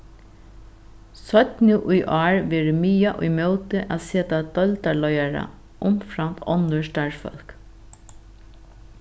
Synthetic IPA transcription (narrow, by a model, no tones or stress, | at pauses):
sœt̪nɪʔʊjʔɑːɹʋɛːɹɪmyːjaʔʊ̰jmoːwt̪ɪʔa̰ːseːt̪ad̪œlt̪alɔjaɹa̰ | ʊmfɾamtɔnːʊʃt̪aɹfœ̰l̥k